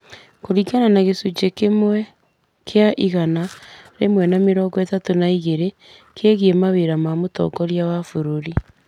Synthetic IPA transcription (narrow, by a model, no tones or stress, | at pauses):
koɾikananaɣesut͡ʃekemwɛ | kʰeaʔiɣanaɾemwɛnameɾɔːŋɡɔɛtatonaiɣeɾe | kʰeɣiemaβeɾamamotɔ̰kɔɾjawafoɾoɾi